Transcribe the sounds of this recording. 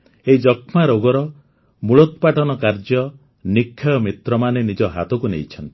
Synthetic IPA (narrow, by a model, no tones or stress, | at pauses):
eid͡ʒɔkʰmaɾoɡɔɾɔ | muɭɔt̪paʈɔnɔkaɾd͡ʒjɔ | nikʰːajɔmit̪ɾɔmanenid͡ʒɔɦa̰t̪ɔkunḛjt͡ʃʰɔnt̪